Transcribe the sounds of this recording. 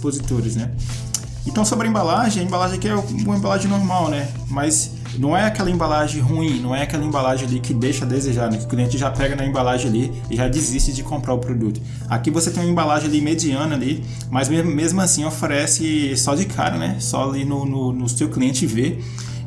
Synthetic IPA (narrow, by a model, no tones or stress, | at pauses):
pozit̪oɾɪznɛ | ẽt̪ɐ̃w̃sobɾɐẽbalaʒẽɐẽbalaʒẽakiɛũɐẽbalaʒẽnoɾmawnɛ | mɐs | nɐ̃w̃ɛakɛlɐẽmbalaʒẽɦuĩnɐ̃w̃ɛakɛlɐẽbalaʒẽalikɪd̪ejʃɐd̪ezeʒaɾnɛ̃kɪʊ̥kliẽnt͡ʃɪʒapɛɡɐnɐẽbalaʒẽali | ɪʒad͡ʒiziʃt͡ʃɪd͡ʒɪkõmpɾaɾʊpɾod̪ut̪ʊ̥ | a̰kivoset̪ẽũẽbalaʒẽalimed͡ʒiɐ̃nɐali | mɐzmemmezmʊasĩofeɾɛsɪsɔd͡ʒɪkʰa̰ɾɐ̰nɛ̰sɔ̰linʊnʊnʊsewkliẽnt͡ʃɪve